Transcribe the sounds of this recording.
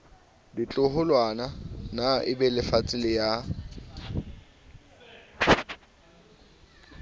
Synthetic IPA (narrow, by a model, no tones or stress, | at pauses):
dit͡ɬʼʊhʊlwananaʔɪbɛlɪfat͡sʼɪlɪja